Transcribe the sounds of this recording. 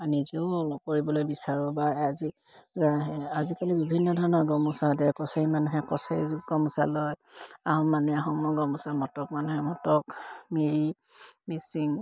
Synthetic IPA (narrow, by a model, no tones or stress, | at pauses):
anizɔɔlɔp̚koɹibɔlojbisaɹɔbaazi | zaɦɛazikalibibʱinːɔdʱɔɹɔnɔɡɔmusadɛkɔsaɹimanuɦɛkɔsaɹizuɡɔmusa̰lɔjaɦɔmːanuaɦɔmnɔɡɔmusamɔtɔkmanuɦɛmɔtɔkmiɹi | misiŋ